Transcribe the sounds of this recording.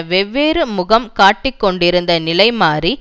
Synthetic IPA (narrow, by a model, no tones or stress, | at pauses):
ʋɛʋːeːɾɯmʊɣɐmkaːʈːɪkːɔɳɖɪɾɯnd̪ɐnɪlɐɪmaːri